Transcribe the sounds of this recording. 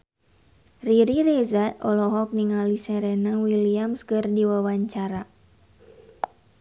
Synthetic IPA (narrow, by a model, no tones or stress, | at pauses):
riɾiɾɛzat̪ɔlɔɦɔk̚niŋalisɛɾɛnəŋwiliamskɨrdiwawaɲt͡ʃaɾa